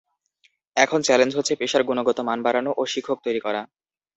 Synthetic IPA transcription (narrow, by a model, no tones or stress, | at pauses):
ɛkʰont͡ɕɛlend͡ʑɦotːɕʰepeʃaɾɡunoɡɔt̪omanbaɾanoʔoʃikʰːok̚t̪ojɾikɔɾa